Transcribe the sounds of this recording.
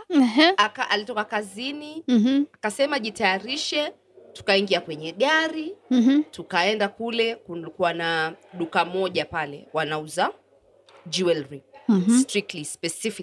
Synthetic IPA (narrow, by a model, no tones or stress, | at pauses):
ɛɦakaʔalitɔkakaziniakasɛmaʄitajaɾiʃɛ | tu̥kaiŋɡiakwɛɲɛɠaɾitukaɛndakulɛkukuwanaɗukamɔʄapalɛ̰wanauza | d͡ʒiwɛlɾistɾik̚tlispɛsifi